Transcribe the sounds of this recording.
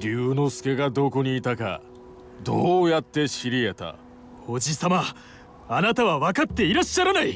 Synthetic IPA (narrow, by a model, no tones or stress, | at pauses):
ɾʲɨːno̞sɨ̥ke̞ɡad̪o̞ko̞ɲ̟iːt̪aka̰ | d̪oːjat̪ːe̞ɕiɾʲie̞t̪a̰ | o̞d͡ʑisama | anat̪aβaβakat̪ːe̞iɾaɕːaɾanai